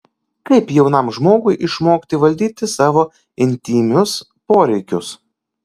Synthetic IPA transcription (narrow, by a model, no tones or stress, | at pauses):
kɐɪpjɛʊnɑˑmʒmoːɡʊɪʔɪʃmoːkt̪ʲɪʋɐlʲd̪ʲiːt̪ʲɪsɑːʋoː | ɪnʲt̪ʲiːmʲʊs | poːɾʲɛɪkʲʊs